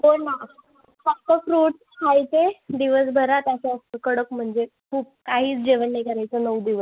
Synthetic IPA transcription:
boɽna | sat̪əkɾuːʈ | kʰajt͡sed̪iʋəsbʱəɾat̪jaɕaəsəkəɽəkm̤əɳd͡zekʰuːp̚kaɦiːt͡sd͡ʑeʋənːəjkəɾajt͡sənəwd̪iʋəs

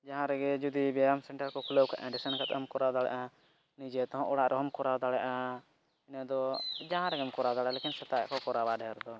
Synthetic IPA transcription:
d͡ʒaɦãɾɛɡɛd͡ʒud̪ibɛamsɛɳʈaɾkɔkʰuləwkʰaʔɛ̃ɖisənkat̪mkɔɾad̪aɽɛ̰ʔa | nid͡ʒɛt̪ɔɦɔ̃ʔɔɽaʔɾʔɛɦɔmkɔɾad̪aɽɛʔa | inad̪ɔd͡ʒaɦãɾɛɡɛmkɔɾad̪aɽɛʔlekinsɛt̪akɔkɔɾabaɖʱɛɾd̪ɔ

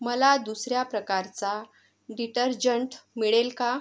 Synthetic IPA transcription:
məlad̪usɾjapɾəkaɾt͡sa | ɖiʈəɾd͡ʑəɳʈmiɭelka

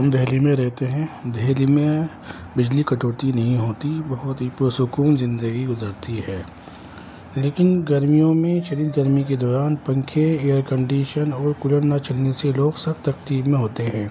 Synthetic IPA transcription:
ɦɐmd̪ʱɛːlimẽɾɛɦt̪eɦɛ̃d̪ʱɛːlimẽ | bɪd͡ʒlikɐʈoːt̪inɐɦĩɦoːt̪ibɐɦʊt̪ɦipsʊkuːnzɪ̃nd̪əɡiɡʊzəɾt̪iɦɛː | leːkɪnɡɐɾmijõmẽʃɐɾiːd̪ɡəɾmiked̪ɔːɾaːnpɐ̃ŋkʰeeːjəɾkə̃ɳɖiːʃənɔːɾkʊləɽnat͡ʃɐlneseloːɡsɐxt̪ɐkt̪iːbmẽɦoːt̪eɦɛ̃ː

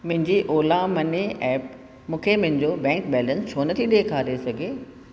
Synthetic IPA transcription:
mʊ̃ɦɪ̃ɲd͡ʑiʔoːlamɐneɛːp̚ | mũːkʰemʊ̃ɦɪ̃ɲd͡ʑobɛ̃ːŋkbɛːlə̃nst͡ɕʰoːnɐt̪ʰiɗeːkʰaːɾesɐɡʱeː

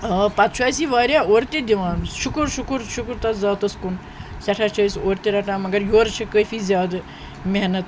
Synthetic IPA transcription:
pat͡st͡ʃʰaːjsiːʋaːɾjaːoːɾt̪id̪iʋaːnʃʊkɾʃukɾʃʊkɾt̪ɐzaːt̪ɐskun | sɐʈʰaːt͡ʃʰɐːisoːɾt̪eɾɐʈãːmɐɡɐɾjoːɾt͡ʃʰɐkəjfiːzʲjaːd̪ | mʲeɦnɐt̪

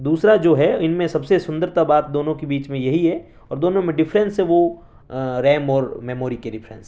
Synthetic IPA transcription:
d̪uːsɾad͡ʒoːɦɛɪnmẽsɐbsesʊ̃nd̪əɾt̪abaːt̪̚d̪oːnõkibiːt͡ʃmẽjɐɦiɦɛ | ɔːɾd̪oːnõmẽɖɪfɾə̃nsɦɛ̃ʋo | ɾɛːmɔːɾmɛmoːɾikeɖɪfʰɾɛ̰̃ns

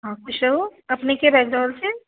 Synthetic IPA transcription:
ɦãːkʊʃɾɐɦoɐpnekebɛːɡdɔːlse

